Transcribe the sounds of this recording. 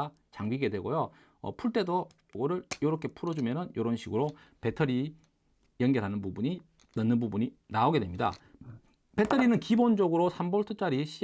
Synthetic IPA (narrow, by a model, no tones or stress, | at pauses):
t͡ɕaŋbiɡe̞dwe̞ɡojo | ʌ̰pʰuɭt͈e̞do | woɾɯɭjoɾʌkʰe̞pʰuɾʌd͡ʑumjʌnɯnjoɾʌnɕʰiɡɯɾope̞tʰʌɾi | jʌŋɡʌɾɦanɯnbubuɲi | nɯnːɯnbubuɲinaoɡe̞dwemɲida̰ | pe̞tʰʌɾinɯnkibond͡ʑoɡɯɾosʰamboɭtʰɯt͡ɕ͈aɾiɕʰi